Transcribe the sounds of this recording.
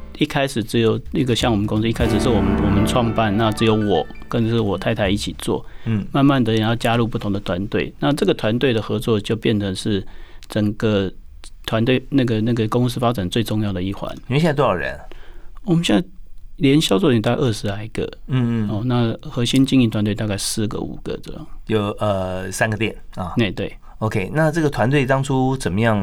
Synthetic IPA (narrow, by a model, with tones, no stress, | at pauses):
i˥˧kʰa˥ɪʂɻ̩˨˩ʈ͡ʂɻ̩˧˥jo˨˩ʊnə˥˧˩ɡə˨ɕjɑ˥˩ŋwɔ˨˩ə˦nkʊ˥ŋs̬̩˥˧i˥˧kʰa˥ɪʂɻ̩˨˩ʂɻ̩˥˩wɔ˨˩mə˦wɔ˨˩mə˦nʈ͡ʂʰwɑ˥˧ŋpa˥˧nna˥˨ʈ͡ʂ̩˧˥jo˧˥ʊwɔ˨˩˦kə˥˧n˨ʂɻ̩˥˩wɔ˨˩t̪ʰa˥˩ɪt̪ʰa˧˥ɪi˥˩t͡ɕʰi˨˩t͡swɔ̰˥˩ma˥˧nma˥˩nd̪ə˨jjɑ˥˩ʊt͡ɕja˥lu˥˧p̬u˥˩t̪ʰʊ˧˥ŋd̪ə˨t̪ʰwa˧˦nt̪we˥˩ɪna˥˧ʈ͡ʂɤ˥˩ɡə˩t̪ʰwa˧˦nt̪we˥˩ɪd̪ə˩xɤ˧˥t͡swɔ˥˧˨t͡ɕjo˥˧ʊpjɛ˥˩nt͡sʰə˧˥ŋʂɻ̩˥˩ʈ͡ʂə˨˩ŋɡə˦t̪ʰwa˧˦nt̪we˥˩ɪna˥˩ɡə˩na˥˩ɡə˩kʊ˥ŋs̬ɹ̩˥fa˥t͡sa˨˩nt͡swe˥˧ɪʈ͡ʂʊ˥˧ŋjɑ˥˩ʊd̪ə˩i˥˩xwa̰˧˥˦ni˨˧˥ɕjt̪o˥jɑ˨˩ɻə̰˧˦nwɔ˨˩mə˦ɕjɛ˥˨na˥˩ɪljɛ˧˥nɕjɑ˥ʊt͡swɔ˥˩i˨˩t̪a˥˧ʔə˥˩ʂɻ̩˧˥la˧˥ɪ˧˩ɡə̰˨˦n̩˥˧o˥˩na˥˨xɤ˧˥ɕi˥nt͡ɕi˥˧ŋi˥˩t̪ʰwa˧˦nt̪we˧t̪a˥˧ka˥˩ɪsɹ̩˥˩ɡə̰˦ṵ˨˩ɡ̥ə̰˦ʈ͡ʂə̰˥˧˩jɑ̰˥˨˩ŋjo˨˩ʊə˩sa˥nɡə˨t̪jɛ˥˩nə˥˩ne˥˩ɪt̪we˥˩ɪ | o˧kʰe˥˧ɪna˥˧ʈ͡ʂɤ˥˩ɡə˩t̪ʰwa˧˦nt̪we˥˩ɪt̪ɑ˥ŋʈ͡ʂʰu˥t͡sə˨˩mə˦jɑ˥˩ŋ